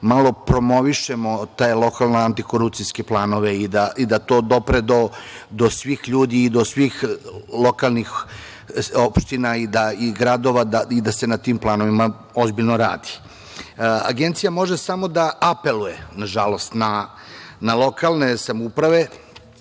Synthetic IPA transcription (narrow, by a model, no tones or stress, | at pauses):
malo̞pɾo̞mo̞ʋiʃe̞mo̞t̪ajelˠo̞kalnaant̪iko̞ɾupt̪sijskeplˠaːno̞ʋe̞id̪aʔid̪at̪o̞ːd̪o̞pɾed̪o̞d̪osʋiːxʎuːd̪iːd̪o̞sʋiːxlˠo̞kalˠnix | opʃt̪inaid̪aiɡɾad̪o̞ʋad̪aid̪ase̞nat̪iːmplˠaːno̞ʋima | o̞zbiʎnoɾa̰ːd̪i̥ | a̰ɡent̪sijamo̞ʒesamo̞d̪aʔape̞lujenaʒalo̞st̪na | nalˠo̞kalˠnesamupɾaʋe̞